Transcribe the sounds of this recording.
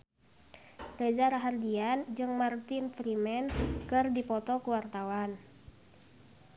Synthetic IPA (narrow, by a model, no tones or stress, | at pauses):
red͡ʒaɾaɦardiand͡ʒɨŋmart̪infɾimɛnkɨrdipɔt̪ɔkuwart̪awan